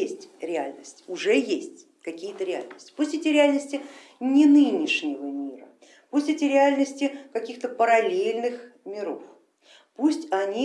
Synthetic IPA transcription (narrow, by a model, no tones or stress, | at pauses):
esʲtʲɾʲɪa̰lʲnəsʲtʲʊʐɛjesʲtʲ | kɐkʲijət̪əɾʲɪa̰lʲnəsʲtʲɪ̥pusʲtʲetʲɪɾʲɪalʲnəsʲtʲɪ | nʲɪnɨnʲɪʂnʲɪvəmʲiɾə̰ | pusʲtʲetʲɪɾʲɪalʲnəsʲtʲɪkɐkʲixt̪əpəɾɐlʲelʲnɨxmʲɪɾo̰f | pusʲtʲɐnʲi